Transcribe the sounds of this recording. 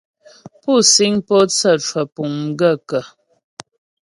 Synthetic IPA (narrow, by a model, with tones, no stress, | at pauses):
pu˦˨si˦ŋpɔ˦t͡sə˦˨t͡ʃwə˨pu˨ŋ̩˦ɡə˦˨kə˨